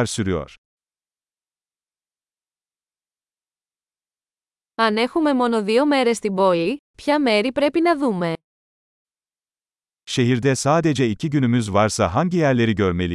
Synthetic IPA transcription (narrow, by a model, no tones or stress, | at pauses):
ɾsyɾyjo̰ɾ̥ | ɐne̞xume̞mo̞no̞ðio̞me̞ɾe̞st̪ibo̞lipçɐme̞ɾipɾe̞pinɐðume̞ | ʃe̞ɦiɾd̪ɛsaːd̪e̞d͡ʒɛicʰiɟynymyzvaɾsaɦaɲɟijæɾlʲe̞ɾiɟø̞ɾme̞lʲi